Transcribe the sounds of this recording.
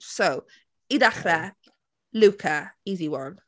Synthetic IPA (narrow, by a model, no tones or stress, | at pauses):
sow | idaχɾɛ | lʉkʰəiːziwɔɹn